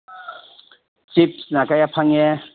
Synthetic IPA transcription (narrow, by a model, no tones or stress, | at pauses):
t͡sipsnakajapʰaŋɛ